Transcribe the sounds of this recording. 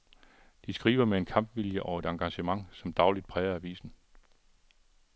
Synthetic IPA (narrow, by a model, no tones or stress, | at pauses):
d̥isɡ̥ʁḭːʋɐmee̝nkʰɑ̈mb̥ʋiljəʔɒʊe̝d̥ɑ̈ŋɡ̥ɑ̈ɕəmɑ̈ŋsɒ̽md̥ɑ̈ʊlid̥̚pʰʁɛːɪɐæʋḭːsn̩